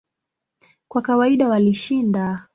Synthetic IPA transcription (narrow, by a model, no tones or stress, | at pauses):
kwakawaiɗawaliʃinda